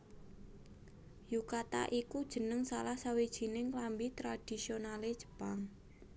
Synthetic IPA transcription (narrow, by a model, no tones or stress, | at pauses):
jukat̪a̰ʔikud̥ʒ̥ə̤nəŋsalahsawed̥ʒ̥i̤nɪŋklambit̪ɾad̥i̤sionaled̥ʒ̥ə̥paŋ